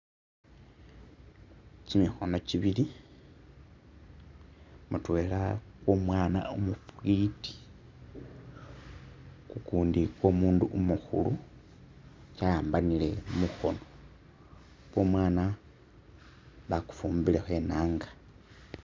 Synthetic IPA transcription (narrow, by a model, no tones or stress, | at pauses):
cimixo̞no̞ciβili | mutwe̞ːlakwo̞mwaːna̰umupuiti̥ | kukuːndikwo̞ːmuːnduʔumuxṵlu | cajaːmbanile̞muxo̞no̞ | kwo̞ːmwaːna | βaku̥fuːmbile̞xwe̞naːŋɡḁ